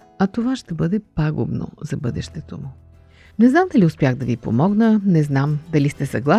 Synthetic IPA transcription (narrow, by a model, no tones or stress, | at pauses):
ɐt̪ovaʃt̪ɛbɤd̪ɛpaɡʊ̰bno̰zɐbɤd̪ɛʃt̪ɛt̪omu | nɛznamd̪ɐliʊspʲjaɣd̪ɐvipo̰mɔɡnənɛznamd̪ɐlist̪ɛsɐɡlˠa